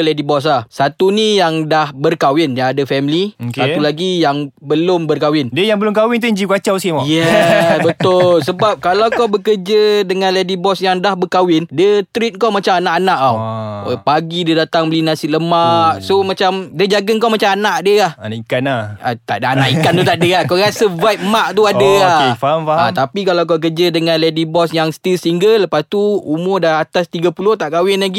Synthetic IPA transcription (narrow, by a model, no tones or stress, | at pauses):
lɛdibɔs̬lahsat̪unijaŋdahbərkawɪnjaadəfɛmliokat̪ulaɡijaŋbəlʊmbərkawɪndiəjaŋbəlʊmkawɪnt̪uɲd͡ʒikuat͡ʃawsimɔjɛsbət̪ʊllsəbap̚kalawkawbəkərd͡ʒədəŋãnlɛdibɔsjaŋdahbəkawɪndət̪ɾit̪̚kawmat͡ʃamanaʔanaʔawpaɡidədat̪aŋbəlinasɪʔləmaʔsomat͡ʃamdəd͡ʒaɡəŋkawmat͡ʃamanaʔdəlahanaikanaa̰t̪a̰ʔdaanaʔikant̪ut̪aʔdəakaɣasəvajp̪̚maʔt̪uadəafaat̪apikalawk̬abək̬ərd͡ʒadəŋanledibɔsjaŋst̪ilsəiŋɡəlləpast̪uumʊrdaat̪ast̪iɡapulʊht̪aʔkawɪnlaɡi